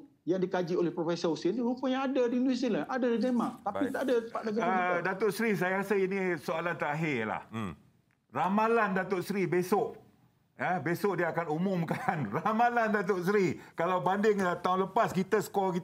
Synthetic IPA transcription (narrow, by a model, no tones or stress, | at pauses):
jaŋdikad͡ʒiolɛhpɾofesousinupəjãŋadadinuisiləʔadadidemaʔt̪ait̪aʔadat̪əpaʔdaɡaədat̪oʔsɾis̬ajaasəinĩsoalant̪aaɦɪla̰h | ramalandat̪oʔsɾibesʊʔ | əbesʊʔ̚diəakanumʊmkanramalandat̪̬oʔsɾikalawbandɪŋət̪aunləpaskit̪əsə̥kɔlkit̪